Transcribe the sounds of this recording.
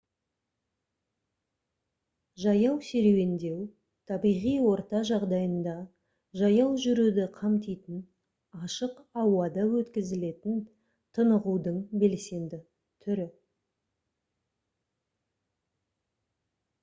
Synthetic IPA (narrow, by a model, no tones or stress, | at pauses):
ʒɑjɑwseɾewend̪e̞w | t̪ʰɑbijʁijwo̞ɾt̪ɑʒɑʁd̪ɑjənd̪ɑ | ʒɑjɑwʒʏɾud̪ɪqʰɑmt̪ijt̪ɪn | ɑʃəqɑwɑd̪ɑwɵt̪kʲɪzɪle̞t̪ɪn | t̪ʰənəʁud̪əɴbe̞lse̞nd̪ɪ | t̪ʰʏɾɪ